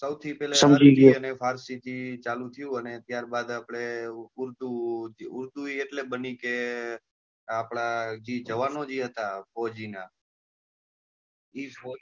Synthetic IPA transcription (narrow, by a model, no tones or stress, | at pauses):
səwt̪ʰipɛlesəmd͡ʒiɡeənefʰaɾsid͡ʒit͡ʃalũt̪ʰəjũənet̪jaɾbad̪apɽ̃eʊɾt̪ud͡ʒiʊɾt̪uieʈlebənike | apɽ̃ad͡ʒid͡ʒəʋanod͡ʒiɦət̪afɔd͡ʒina | ifɔ